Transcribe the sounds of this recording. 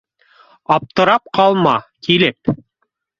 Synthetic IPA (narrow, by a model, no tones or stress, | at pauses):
ɑp̚t̪ɤ̆ɾɑp̚qʰɑlˠmɑkilɘp̚